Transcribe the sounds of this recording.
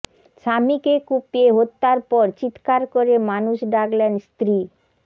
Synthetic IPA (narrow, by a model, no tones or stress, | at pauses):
ʃamikekupieɦot̪ːaɾpɔɾt͡ɕit̪kaɾkoɾemanuʃɖaklenst̪ɾi